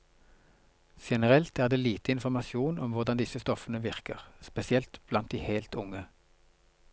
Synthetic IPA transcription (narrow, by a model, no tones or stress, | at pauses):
ʃɛnəʁɛlt̪æːʁd̪eːliːt̪əɪnfɔʁmɑsjuːnɔmʋʊʁd̪ɑnd̪ɪsəst̪ɔfənəʋɪʁkə̰ʁspɛsɪɛlt̪b̥lɑnt̪̚d̪iːheːlt̪ʊŋə